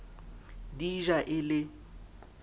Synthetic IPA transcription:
diʒaʔɪlɪ

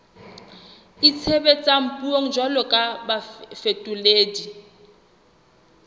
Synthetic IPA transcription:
it͡sʰebet͡sʼam̩pʼuoŋ̩d͡ʒalɔkʼabafetʼuleːdi

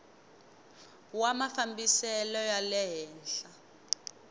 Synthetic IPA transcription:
wamafambisɛlɔjalɛɦɛːnɬa

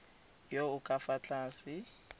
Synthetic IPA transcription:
joʊkʼafat͡ɬʼaːsɪ

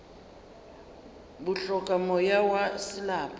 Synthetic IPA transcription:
bʊɬɔkʼamɔjawasɪlaːpʰʼa

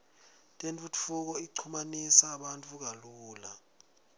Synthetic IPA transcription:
tʼent͡fʼut͡fʰuk̬ɔiǀʰumanisaːɓantʼuk̬aluːla

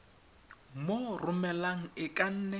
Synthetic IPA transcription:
morʊmɛlaŋ̩ɪkʼan̩ːnɛ

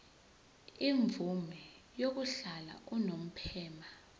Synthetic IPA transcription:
iɱvumɛ | jok̬uɬala̰ʔunom̩pʰɛːma

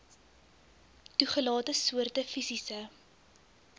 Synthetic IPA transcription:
tuχəlɑːtəsuərtəfisisə

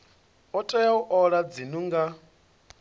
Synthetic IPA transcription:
ɔtʼɔjauʔɔɺad͡zinuŋɡa

